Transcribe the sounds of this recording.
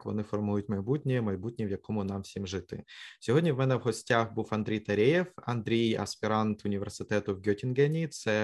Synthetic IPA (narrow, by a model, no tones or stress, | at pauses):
kʋɔ̰nɪfɔrmujʊtʲmɐjbutʲnʲɪmɐjbutʲnʲiʋjɐkomʊnɑmfsʲimʐɨt̪ɪ̰sʲɔɦodʲnʲɐʋmɛnɛʋɦɔsʲtʲaxbufɐnd̪ɾʲejt̪ɐɾʲejefɐ̰nd̪ɾʲejɐ̰spʲɪɾɑnt̪ʊnʲɪʋʲersɨt̪ɛt̪ʊʋɡʲɔtʲɪnɡɛnʲit̪sɛ